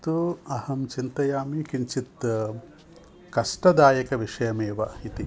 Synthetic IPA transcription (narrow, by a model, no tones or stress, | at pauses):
t̪uɐhɐmt͡ʃint̪ɐjaːmikiɲt͡ʃit̪ | kɐʂʈɐd̪aːjɐkɐʋiʂɐjɐmeːʋɐit̪i